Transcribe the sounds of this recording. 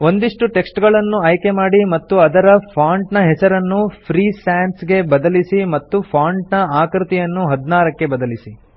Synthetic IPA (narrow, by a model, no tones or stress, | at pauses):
o̞nd̪iʂʈuʈe̞ksʈɡɐɭɐnːuɐjke̞maːɽimɐt̪ːuɐd̪ɐɾɐpʰaːɳʈnɐɦɛsɐɾɐnːupʰɾiːsaːnsɡe̞bɐd̪ɐlisimɐt̪ːupʰaːɳʈnɐaːkɾit̪ijɐnːuɦɐd̪naːɾɐkːe̞bɐd̪ɐlisi